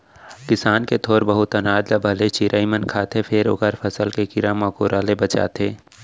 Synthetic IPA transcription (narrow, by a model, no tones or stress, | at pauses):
kɪsaːnket̪ʰoːɾbɐɦʊt̪ːɐnaːd̪labʱɐlet͡ʃiɾʔaːimənkʰaːt̪ʰepʰɪɾʊɡəɾfʰɐsəlkekɪɾaːmãːkoːɾaːlebɐt͡ʃa̰ːt̪ʰeː